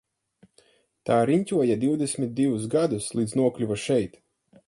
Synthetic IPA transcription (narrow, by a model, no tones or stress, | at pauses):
t̪aːɾiɲʲcʲuɔjad̪iwd̪esʲmʲit̪̚d̪ivus̬ɡad̪uslˠiːd̪znuɔklʲuvaʃɛjt̪